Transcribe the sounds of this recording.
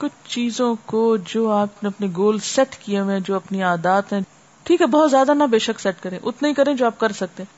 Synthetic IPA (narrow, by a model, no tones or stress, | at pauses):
kʊt͡ʃʰt͡ʃiːzõkod͡ʒoːaːpneɐpniɡoːlsɛʈkijeʋẽd͡ʒoːɐpniaːd̪aːt̪ɦɛ̃ | ʈʰiːkɦɛbɔɦːɔt̪zjaːd̪anɐbeːʃɐksɛʈkɐɾẽʔʊt̪ʰnɐɦĩkɐɾẽd͡ʒoːaːp̚kɐɾsɐk̚t̪eɛ̃ː